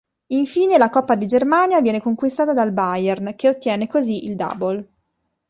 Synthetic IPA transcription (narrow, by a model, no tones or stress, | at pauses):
iɱfiːnelakɔpːad̪id͡ʒermaːnjavjɛːnekoŋkwist̪aːt̪ad̪albajɛrnk̟eot̪ːjɛːnekoziʔild̪a̰ːbol